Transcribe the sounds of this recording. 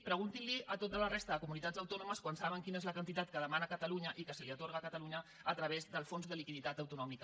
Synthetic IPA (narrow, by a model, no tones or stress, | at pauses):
pɾəɣ̞unt̪inliət̪ot̪ələrest̪əðəkumunit̪ad͡zəwt̪ɔnuməskwansaβəŋkinəezləkənt̪it̪at̪̚kəðəmanəkət̪əluɲəʔikəsəliət̪oɾɣ̞əːkət̪əluɲəː | t̪ɾəβ̞ezðəlˠfonzðəlikiðit̪at̪əwt̪unɔmikə